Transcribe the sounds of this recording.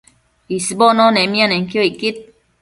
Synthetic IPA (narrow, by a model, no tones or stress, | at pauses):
isibɔnɔnɛmĩanɛŋkjoikːit̪̚